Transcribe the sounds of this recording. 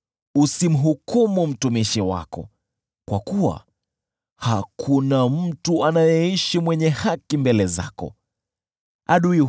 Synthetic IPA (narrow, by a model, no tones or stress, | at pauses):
usim̩ɦukumum̩tumiʃiwa̰kɔ̰ | kwakuwa̰ | hakʰunam̩tuanajɛiʃimwɛɲɛhakimbɛlɛza̰kɔ̰ | aɗui